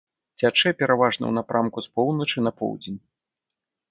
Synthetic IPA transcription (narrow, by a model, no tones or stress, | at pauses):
t͡sʲat͡ʂɛpʲɛɾavaʐnɐ̰wnapɾamkuspɔwnɐt͡ʂɨnɐpɔ̰wd͡zʲenʲ